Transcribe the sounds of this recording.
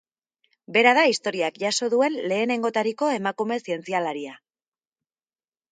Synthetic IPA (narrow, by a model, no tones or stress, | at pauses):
be̞ɾaðaist̪o̞ɾiakʝaso̞ðue̞nle̞ːne̞ŋɡo̞t̪aɾiko̞e̞makume̞sie̞nt͡sialaɾia